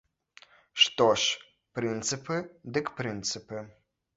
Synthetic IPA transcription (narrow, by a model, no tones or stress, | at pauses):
ʂt̪oʂ | prɨnt̪sɨpʰɨd̪ɨkprɨnt̪sɨpɨ